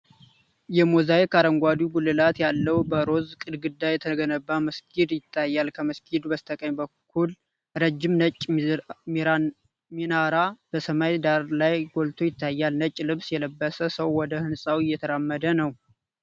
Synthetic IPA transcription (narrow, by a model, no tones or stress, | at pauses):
jɛmozajkʰaɾəŋɡʷad̪uɡulːɨlat̪jalːəwbəɾo̞zkʼɨd̪ɡɨd̪ːajɛt̪ʰəɡənəbːaməskʰid̪jɪt̪ʰːajːalkʰəməskʰid̪bəst̪ʰəkʼəɲbəkʰːul | ɾəd͡ʒːɪmnət͡ʃʼːm | minaɾab̥əsəmajd̪aɾlajɡo̞lt̪ʰo̞jɪt̪ʰːajːalnət͡ʃʼːlɨβsjɛləbːəsəsəwːɔd̪əhɨnsʼawɨjːɛt̪ʰəɾamːəd̪ənəw